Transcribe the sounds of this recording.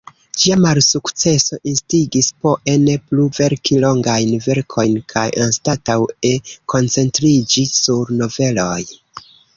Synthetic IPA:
d͡ʒiamalsukt͡se̞so̞ʔinstiɡispo̞ʔe̞ne̞pluve̞ɾkilo̞ŋɡajnve̞ɾkʰo̞jnkʰajʔanstatawe̞kʰo̞nt͡se̞ntɾid͡ʒisuɾno̞ve̞lo̞j

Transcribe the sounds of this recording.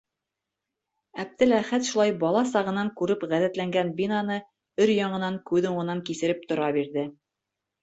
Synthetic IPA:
æp̚t̪ɘlæχæt̪ʃulˠɑjbɑlˠɑsɑʁɤ̆nɑŋkʉɾɘpʁæðæt̪læŋɡænbinɑnɤ | ɵɾjɑɴɤ̆nɑŋkʉðŭɴɤ̆nɑŋkisɘ̆ɾɘp̚t̪ŏɾɑbiɾðɘ

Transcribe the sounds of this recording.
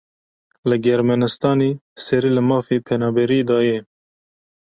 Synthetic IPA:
lɨɡɛɾmɛnɨst̪ɑːniːsɛɾiːlɨmɑːfiːpʰɛnɑːbɛɾiːd̪ɑːjɛ

